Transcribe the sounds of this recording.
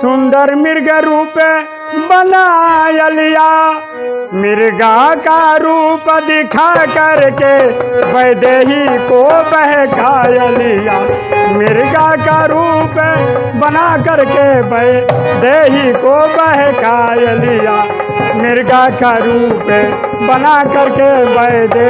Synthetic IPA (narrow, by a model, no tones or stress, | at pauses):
sʊnd̪əɾmɪɾɡeɾuːpe | bənajəlija | mɪɾɡakaɾuːpd̪ɪkʰakəɾkebəjd̪eːɦikobəɦekʰaːjəlija | mɪɾɡakaɾuːpe | bənakəɾkebəd̪eɦikobəɦekajəlija | mɪɾɡakaɾuːpebənakəɾkebəd̪e